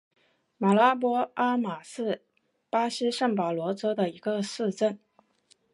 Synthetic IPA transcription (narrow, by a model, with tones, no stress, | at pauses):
ma˨˩la˥p̬wɔ˥a˥ma˨˩sɹ̩˥˩ | pa˥ɕi˥ʂɤ˥˩ŋpɑ˨˩ʊlwɔ˧˥t͡sɤ˥d̪ə˨i˧˥ɡə˧sɹ̩˥˧ʈ͡ʂə˥˩n